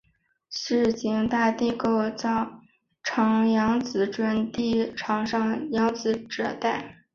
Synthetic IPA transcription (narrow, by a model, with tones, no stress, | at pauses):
ʂɻ̩˥˩t͡ɕi˧˥ŋt̪a˥˧t̪i˥˧ko˥˧ʊt͡sɑ˥˩ʊ | ʈ͡ʂʰɑ˧˥ŋjɑ˧˥ŋt͡sɹ̩˧˥ʈ͡ʂwə˥nt̪i˥˩ʈ͡ʂʰɑ˧˥ŋʂɑ˥˩ŋjɑ˧˥ŋt͡sɹ̩˧˥ʈ͡ʂɤ˨˩t̪a˥˩ɪ